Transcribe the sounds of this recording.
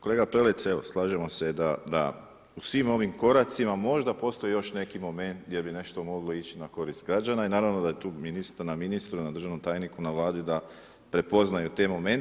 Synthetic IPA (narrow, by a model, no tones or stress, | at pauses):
kole̞ɡapɾelet̪seʋo̞slˠaːʒemo̞se̞d̪ad̪a̰ | usʋimo̞ʋimko̞ɾat̪simamo̞ʒd̪apo̞ːst̪o̞jijo̞ʃne̞kimo̞me̞nt̪ɡjebine̞ʃt̪o̞mo̞ɡlˠo̞it͡ɕinako̞ɾist̪ɡɾad͡ʒanainaːɾaʋnod̪ajet̪uːminist̪aɾnaminist̪ɾunad̪ɾ̩rʒaʋno̞mt̪aːjnikunaʋlˠaːd̪id̪a | pɾe̞po̞znajut̪e̞mo̞me̞n